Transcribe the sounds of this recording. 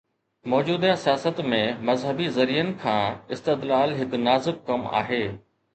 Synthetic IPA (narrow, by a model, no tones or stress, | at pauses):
mɔːd͡ʑuːd̪ãsijaːsət̪mẽmɐzɦəbizɐɾijənɪ̆kʰãːɪst̪ɪd̪laːlɦɪknaːzɪb̚kɐma̰ːɦeː